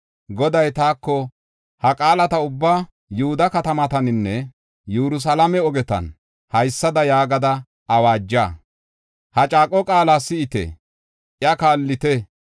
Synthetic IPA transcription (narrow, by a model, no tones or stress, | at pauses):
ɡɔd̪ɐjt̪aːkːɔ | hɐkʼaːlɐt̪ɐʊbːaː | jʊhʊd̪ɐkɐt̪ɐmɐt̪ɐnɪnːɛ | jɛɾʊs̬ɐlɐmɛɔɡɛt̪ɐ̰n | hɐjsːɐd̪ɐjaːɡɐd̪ɐ | ɐwaːd͡ʒːaː | hɐt͡ʃʼaːkʼːɔkʼaːlasɪɪt̪ɛ̰ | ʔjɐkaːlːɪt̪ɛ